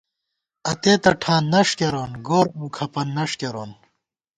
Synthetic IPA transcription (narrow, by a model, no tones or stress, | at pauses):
ɐt̪eːt̪ɐʈʰãːnːɐʂkeɾoːnɡoːɾũːkʰɐpɐnːɐʂkeɾoːn